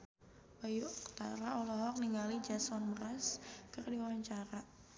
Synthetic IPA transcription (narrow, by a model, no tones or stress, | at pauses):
bajuakt̪aɾaɔlɔɦɔk̚niŋalid͡ʒasɔnbəɾaskərdiwaɲt͡ʃaɾa